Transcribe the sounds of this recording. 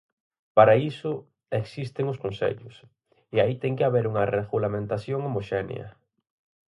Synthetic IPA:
paɾaisʊ | eksist̪ɪŋʊskonsḛʎʊs | ɪait̪ɛŋkɪaβeɾuŋɐreɣulamẽnt̪aθjoŋomoʃɛnj̰ɐ̰

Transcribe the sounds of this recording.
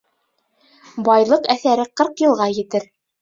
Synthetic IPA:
bɑjlˠɤqæθæɾɘqɤɾqjɤ̆lˠʁɑjɘ̆t̪ɘɾ

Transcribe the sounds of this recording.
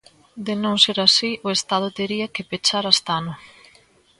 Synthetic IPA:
d̪ɪnõŋseɾasiʔoest̪að̞ʊt̪eɾiɐkɪpet͡ʃaɾast̪anʊ

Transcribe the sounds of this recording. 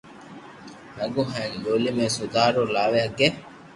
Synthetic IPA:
nɐɡuɦɐŋloːlimesud̪aːɾulaːʋeɐɡːe

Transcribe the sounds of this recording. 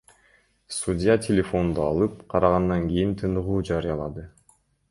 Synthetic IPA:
sudʲjat̪ʲʰelʲefo̞nd̪uɑ̰lˠɯp̚qʰɑɾɑʁɑnd̪ɑŋɡʲijint̪ʰɯnɯʁuːd͡ʒɑɾɯjɑlˠɑd̪ɯ

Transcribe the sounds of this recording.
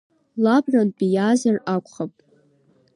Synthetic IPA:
labranbijazarakʷʰʼχapʼ

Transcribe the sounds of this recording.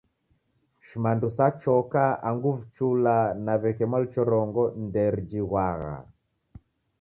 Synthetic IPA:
ʃimandusat͡ʃɔkaaŋɡuvt͡ʃulanaβɛkɛmalt͡ʃɔɾɔŋɡɔndɛɾd͡ʒiɣwaɣa̰

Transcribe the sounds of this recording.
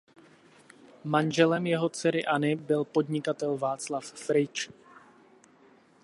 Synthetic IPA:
manʒɛlɛmjɛɦo̞t͡sɛɾɪʔanɪbɪlpo̞dɲɪkat̪ɛlvaːt͡slafːɾɪt͡ʃ

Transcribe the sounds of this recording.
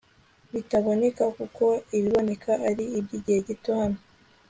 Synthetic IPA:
βitaβonekakuko̞iβiβo̞nekʰaʔaɾiːbɟiɟihe̞ɟitohano

